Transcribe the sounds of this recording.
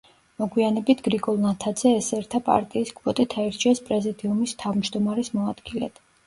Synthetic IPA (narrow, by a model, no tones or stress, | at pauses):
mɔɡwianɛbit̪ʰɡ̥ɾiɡɔlˠnat̪ʰad̪zɛːsɛɾt̪ʰapʼa̰ɾt̪ʼiːsɡʰvɔt̪ʼit̪ʰaɛɾt͡ʃʰiɛspʼɾɛzid̪iumist̪ʰavmd͡ʒd̪ɔmaɾɛsmɔad̪̥ɡilɛ̰d̪̥